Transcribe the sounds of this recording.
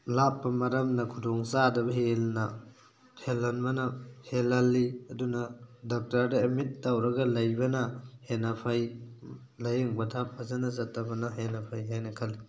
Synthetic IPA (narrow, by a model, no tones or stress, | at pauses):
lapːɐmɐɾɐmnɐkʰudoŋsadɐbɐɦelnɐ | tʰelːɐnbɐnɐhelːɐlːiɐdunɐdɔk̚taɾdɐimit̚ːawɾɐɡɐlɐjbɐnɐhenɐpʰɐj | lɐjeŋbɐtʰap̚ːɐzɐnɐsɐtːɐbɐnɐɦenɐpʰajɦajnɐkʰɐlːi